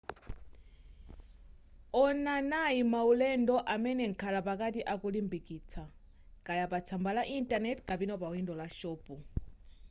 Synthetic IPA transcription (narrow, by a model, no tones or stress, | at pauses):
ɔnanaimaulɛndɔʔamɛnɛŋ̩kʰalapakatiʔakulimbikʼiːt͡sʰa | kʼajapat͡sʰambalaʔintʼanɛtʰkʼapinɔpawindɔlaʃɔːpʼu